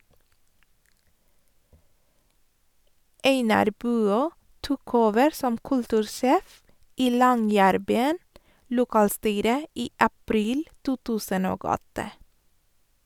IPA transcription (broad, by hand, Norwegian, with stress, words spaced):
ˈeɪnɑɾ ˈbʉːˌøː ˈtuːk ˈoːʋəɾ ˈsɔm ˈkʉltʉːɾˌʃeːf ˈiː ˈlɔŋˌjæːɾˌbyːən lʊˈkɑːlˌstyːɾə ˈiː ɑˈpɾiːl ˈtuː ˈtʉːsən ˈoːɡ ˈɔtə